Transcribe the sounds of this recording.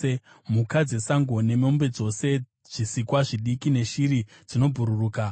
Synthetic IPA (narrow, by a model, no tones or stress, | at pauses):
e | mukad͡ze̞saŋɡo̞ne̞mo̞mbe̞d͡zo̞se̞ | ʐ̥isikwaʐiɗikine̞ʃiɾi | d͡zino̞bʱuɾuruːka